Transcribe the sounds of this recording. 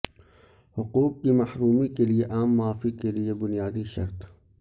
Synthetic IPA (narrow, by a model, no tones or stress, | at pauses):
hʊquːq̚kimɐhɾuːmikelieʔaːmːaːfikeliebʊnijaːd̪iʃɐ̰ɾt̪